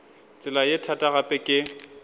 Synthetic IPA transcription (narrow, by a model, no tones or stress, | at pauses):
t͡sʼɪlajɪtʰatʼaɣapʼɛkʼɪ